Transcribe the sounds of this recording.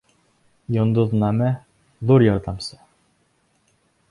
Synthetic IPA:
jŏnd̪uðnɑmæ | ðuɾjɑɾd̪ɑmsɤ̥

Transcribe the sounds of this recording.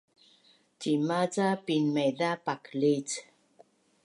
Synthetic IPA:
timat͡sapinmeðapaklit͡s

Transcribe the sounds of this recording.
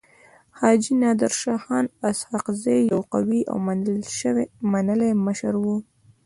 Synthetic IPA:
hɑd͡ʒinɑd̪ɪɾʃɑxɑnashɑqzajjawqawiʔa̰wmanəlʃəwmanəleməʃəɾwu

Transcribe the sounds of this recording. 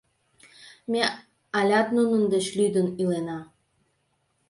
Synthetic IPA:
mʲe | ɑlʲɑt̪nunə̆nd̪ə̆t͡ɕlʲyd̪ə̆nilenɑ

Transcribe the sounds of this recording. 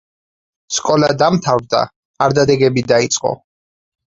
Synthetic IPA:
skʼɔlad̪amt̪ʰavɾd̪a̰ | aɾd̪ad̪ɛɡɛbid̪ait̪sʼqʼɔ̰

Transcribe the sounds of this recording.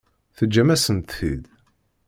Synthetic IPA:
θəd͡ʒːæmæsənt̪θḭd̪

